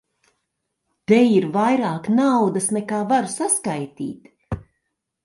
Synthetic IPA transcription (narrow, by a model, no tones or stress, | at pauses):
t̪ɛjiɾvajɾaːknawd̪asnɛkaːvaɾsaskajt̪ḭːt̪